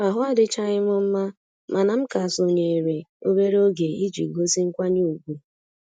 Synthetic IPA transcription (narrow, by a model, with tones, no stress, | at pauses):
a˨ɦʊ˦a˦dɪ˦t͡ʃa˦ɲɪ˦m˦ʊ˦m̩˦ma˦ | ma˨na˨m̩˦ka˨so˨ɲe˨e˨ɾe˨o˦be˦ɾo˦ɡe˨i˦d͡ʒḭ˨ɡo˦si˦ŋ̩˦kʷa˦ni˦u˨ɡʷu˦